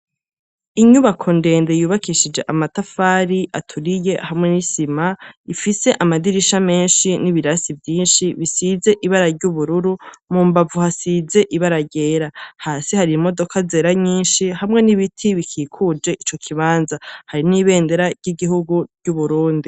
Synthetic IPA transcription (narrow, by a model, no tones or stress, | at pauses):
iɲuβakʰo̞nde̞ːndejuːβakiʃid͡ʒe̞ʔamatafaːɾiʔatʰuɾije̞hamŋe̞nisimaifise̞ʔamadiɾiʃame̞ːnʃiniβiɾasivjiːnʃiβisize̞ʔiβaɾaɾɟuβuɾuɾumuːmbavuhasize̞ʔiβaɾaɟe̞ːɾahaːsihaɾimo̞do̞kazeːɾaɲiːnʃihamŋe̞niβitʰiβikʰiːkʰud͡ʒe̞ʔit͡ʃo̞kʰiβaːnzahaɾiniβe̞ːnde̞ɾaɾɟiɡiɦuɡuɾɟuβuɾuːndi